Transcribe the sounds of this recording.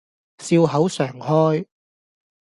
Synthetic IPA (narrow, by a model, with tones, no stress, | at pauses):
siː˧wɦɐ˨˥wsœː˨˩ŋhɔː˥j